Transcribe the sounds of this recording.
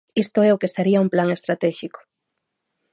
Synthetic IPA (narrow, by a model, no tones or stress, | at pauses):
ist̪ʊɛokest̪aɾiɐumplaŋest̪ɾat̪ɛʃikʊ̥